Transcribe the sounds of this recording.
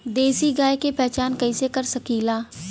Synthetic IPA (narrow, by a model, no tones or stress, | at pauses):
d̪eːsiɡaːekepɛɦt͡ʃaːnkɐisekɐɾsɐkiːlaː